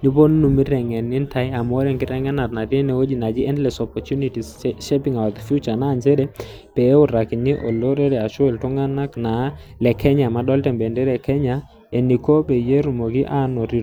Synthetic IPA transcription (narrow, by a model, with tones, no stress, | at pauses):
ni˦bo˦n˦nu˨mi˦ɾɛ˨ŋɛ˨ni˦nta˦ja˨mɔ˦ɾɛ˦˨ŋkɪ˦ɾɛ˦ŋɛ˦na˨tna˨ti˦nɛ˨o˦d͡ʒi˨na˨d͡ʒi˦ɛ˦ndlɛ˨sɔ˨pɔ˨tu˦ni˨ti˨sʃɛ˦pɪ˨ŋa˨wa˨kfju˦t͡ʃa˨naː˦˨nt͡ʃɛ˦ɾɛ˨ | pɛ˨˦ʊ˨ɾa˨ki˨ni˦ʔɔ̰˨lo˦ɾɛ˦ɾɛ˨a˨ʃɔ˦ɛ˨ltʊ˦ŋa˦na˦kna˨lɛ˨kʰɛ˦ɲa˨ma˨˦ɗɔ˦ltɛ˨mbɛ˨ndɛ˦ɾɛ˨kɛ˦ɲa˨ | ɛ˨ni˨ko˦pɛ˨je˦ɾu˨mo˨ki˦ʔa˦nɔ˨ɾi˨